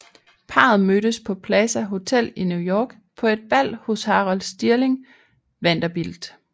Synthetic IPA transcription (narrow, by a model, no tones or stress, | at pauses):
pʰɑ̈ð̞̩ˠmød̥əspʰɒ̽pʰlɛsæɦo̝t͡sʰel̰injujɒːɡ̥ | pʰɒ̽e̝d̥̚b̥æl̰hoshɑ̈ːʁɒ̽lsd̥iɐle̝ŋ | ʋen̰d̥ɐb̥ild̥